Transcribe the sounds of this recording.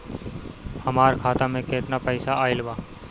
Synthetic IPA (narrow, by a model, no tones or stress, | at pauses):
həmaːɾkʰaːt̪aːmẽːkeːt̪naːpəɪsaaːɪlbaː